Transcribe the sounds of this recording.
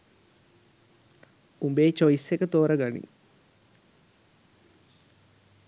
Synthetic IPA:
umbeːt͡ʃoisekət̪oːɾəɡanḭ

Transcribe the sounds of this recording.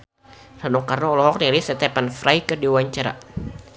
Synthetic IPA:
ranɔkarnɔɔlɔɦɔk̚niɾisɛt̪ɛpanfɾajkədiwaɲt͡ʃaɾa̰

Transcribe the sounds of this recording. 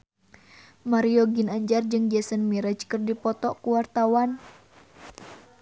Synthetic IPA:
maɾiɔɡinaɲd͡ʒard͡ʒɨŋd͡ʒɛsənmiɾad͡ʒkɨrdipɔt̪ɔʔkuwart̪awan

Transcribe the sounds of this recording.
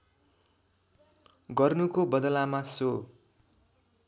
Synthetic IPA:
ɡʌrnukobʌd̪lamaso

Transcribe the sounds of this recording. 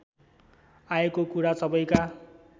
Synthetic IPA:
aekokuɾasʌbʌjka

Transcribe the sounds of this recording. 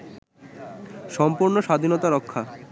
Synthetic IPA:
ʃɔmpuɾnoʃad̪ʱinɔt̪aɾɔkʰːa

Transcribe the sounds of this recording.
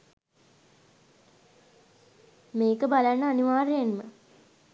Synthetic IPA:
meːkəbalanːəaniʋaːɾejenmə̰

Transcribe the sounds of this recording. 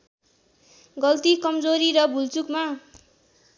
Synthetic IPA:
ɡʌlt̪ikʌmd͡zoɾiɾʌbʱult͡sukma

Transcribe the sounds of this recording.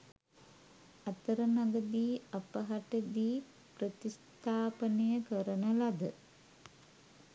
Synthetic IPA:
at̪əɾənaɡəd̪iːapəɦaʈəd̪iː | prət̪ist̪ʰaːpənəjəkəɾənəlad̪ə

